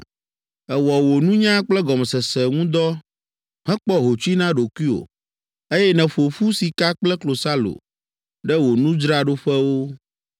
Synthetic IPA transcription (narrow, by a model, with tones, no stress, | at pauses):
ɛ˨wɔ˨wo˨nũ˦ɲã˦k͡plɛ˦ɡɔ˨mɛ˨sɛ˨sɛ˨ŋũ˦d̪ɔ˦ | ɦɛ̃˦k͡pɔ˦ɦo˨t͡ʃu˦i˦nã˦ɖo˨kwi˦o̰˨ | e˦jɛ˦nɛ̃˨ɸo˨fu˦si˨ka˦k͡plɛ˦klo˨sa˦lo̰˨ | ɖɛ˦wo˨nũ˦d͡ʒɾa˦ɖo˦ɸɛ˦wo˦